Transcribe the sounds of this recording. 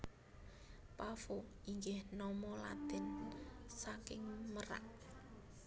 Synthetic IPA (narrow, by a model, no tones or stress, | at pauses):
pafo | iŋɡɪhnɔmɔla̰t̪ɪnsakɪŋməɾa̰ʔ